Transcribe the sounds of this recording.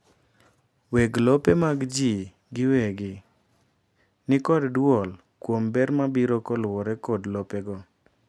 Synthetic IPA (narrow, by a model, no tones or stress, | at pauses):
weɡlopemaɡd͡ʒi | ɡɪweɡɪ | nɪkɔddwɔl | kwombɛɾmabiɾɔkɔlwɔɾɛkɔdlopɛɡɔ